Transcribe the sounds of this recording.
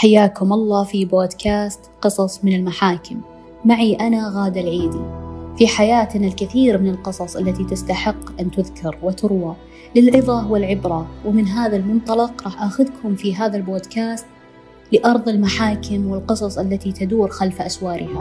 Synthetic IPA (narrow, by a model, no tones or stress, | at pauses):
ħajːaːkʊmʔɑlˤːɑːfiboːd̪kaːst̪qɨsˤɑsˤmɪnɪlmaħaːkɪmː | aʕiʔanaɣaːd̪alʕiːd̪ifiħajaːt̪nalkɪθiːɾmɪnɪlqɨsˤɑsˤʔalːat̪it̪ɪst̪aħɪqːʔɪnt̪ʊðkʰɑɾˤwɪt̪ʊɾwa | lɪlʕɨðˤɑʊwalʕɪbɾawɪmɪnɦaːðalmʊnt̪ˤɑlɑqɾˤɑːħʔaxʊðkʰʊmfiɦaːðalboːd̪kaːst̪ | lɪʔɑɾˤðˤɪlmaħaːkɪmwɪlqɨsˤɑsˤʔalːat̪it̪ad̪uːɾxalfʔaswɑːɾʔɪha